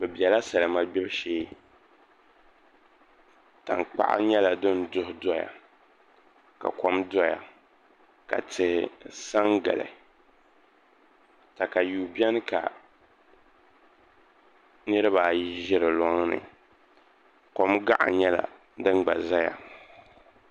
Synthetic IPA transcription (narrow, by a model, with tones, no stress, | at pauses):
bɛ˨bi˨ɛ˨la˦sa˨lɨ˨ma˦bɛ˦bʃeː˦ | ta̰˨ŋk͡pa̰˦˨ʔa̰˦ɲɛ˦la˨dɨ˦ndʊ˦hʊ˦dɔ˦ja̰˨ | ka̰˨kɔ˦mdɔ˦ja̰˨ | ka̰˨tʰɨ˨hsa˦ŋɡa˨lɨ̰˨ | ta˨ka˨juː˨bɛ˦n˦ka̰˨ | nɨ˦ɾɨ˦ba˨˦ʒɪ˦ɾɨ˨lɔ˦ŋ˦nɨ̰˨ | ko˦mɡa˦ʔa̰˨ɲɛ˦la̰˨ | dɨ˦nɡ͡ba˨za˦ja̰˨